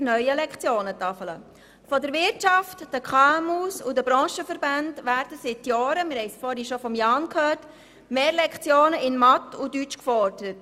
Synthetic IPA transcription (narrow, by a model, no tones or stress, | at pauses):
nœʏəlɛkχt͡sjoːnət̪ɑfələ | fɔdəɾʋɪɾtt͡ʃɑftːəkʰχɑmusʊdəbɾɔ̃ːʃəfəɾband̥ʋæːɾd̥əsɪtjɔːɾəmɪɾhɛɪsfɔːɾhiʃɔfɔmjɑːnkʰhøːrt | meːlɛkt͡sjoːnəʔɪnmɑtːudyt͡ʃkfɔɾd̥əɾət